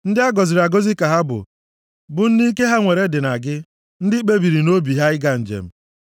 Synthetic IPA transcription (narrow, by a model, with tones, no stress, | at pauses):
n̩˦dɪ˦a˦ɡɔ˨zɪ˨ɾa˨ɡo˦zi˦ka˨ɦa˦bʊ̰˨ | bʊ˨n̩˦ni˦ke˦ɦa˦ŋʷe˨ɾe˦dɪ˨na˨ɡɪ˦ | n̩˦dɪ˦k͡pe˦bi˨ɾi˨no˦bi˨ɦa˦ɪ˦ɡa˦n̩˨d͡ʒḛ˨m̩˦